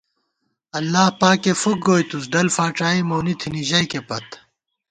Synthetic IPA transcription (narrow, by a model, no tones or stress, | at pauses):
ɐlːaːhpaːkefuk̚ɡoːjt̪us̬ɖɐlfaːʈ͡ʂaːimoːnit̪ʰiniʑɐjkepɐt̪